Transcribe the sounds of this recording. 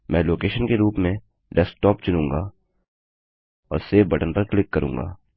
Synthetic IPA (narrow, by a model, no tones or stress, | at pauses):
mʔɛ̃ːloːkeːʃənkeɾuːpmẽ | ɖɛsʈɔːpt͡ʃʊnũːŋɡaː | ɔːɾseːbɐʈənɖəɾklɪkːɐɾṵ̃ːŋɡa̰ː